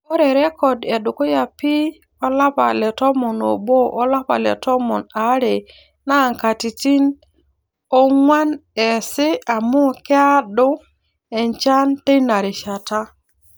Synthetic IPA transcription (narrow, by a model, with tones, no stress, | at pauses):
o˦ɾe˨ɾe˦kɔ˨de˨ɗu˨ku˦ja˨pi˦ | o˦la˦pa̰˨le˨tɔ˦mɔ˨no̰˨bo˦ʔo˦la˦pa̰˨lḛ˨tɔ˦mɔ˨na˨˦ɾe˨ | na˦˨ŋka˨ti˨ti˦n | o˦ŋwa˦ne˨si˦a˨mu˦kɛ˦a˦ɗo˦ | e˨nt͡ʃa˦nte˦na˨ɾi˨ʃa˨ta˦